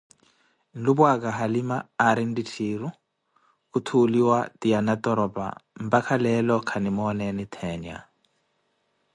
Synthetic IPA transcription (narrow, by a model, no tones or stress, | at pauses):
n̩lubwakʼaɦalimaːɾin̩ditʰiɾu | kut̪ʰuliwatianat̪ʼɔɾɔpʼa̰m̩bakʰalɛlɔkʰanimɔnɛnit̪ʰɛna̰